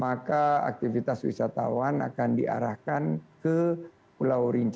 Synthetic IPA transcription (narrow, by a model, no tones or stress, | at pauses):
makaa̰k̚t̪ifit̪aswḭsat̪a̰wana̰kandḭʔa̰ɾahkankə | pulawɾiɲt͡ʃ